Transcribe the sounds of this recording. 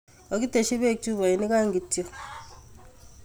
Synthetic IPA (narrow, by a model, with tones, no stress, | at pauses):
o˨ki˦te˨ʃi˦βe˦˨t͡ʃu˦βa˨i˨ni˦ka˦ŋɡi˨ti˨o˨